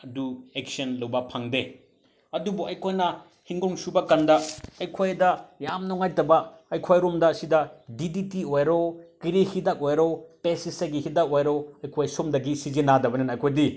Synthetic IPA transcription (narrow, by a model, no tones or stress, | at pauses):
ɐduek̚sɐnlɐwbɐpʰaŋde | ɐdubuɐjkʰojnɐ | hiŋɡɔŋsubɐkandɐɐjkʰojdɐjamnɔŋajtɐbɐɐjkʰojɾomdɐsidɐdiditiojɾokiɾihidak̚ojɾopesisaɡihidak̚ojɾoɐjkʰojsumdɐɡisizinadɐbɐnenɐjkʰojdi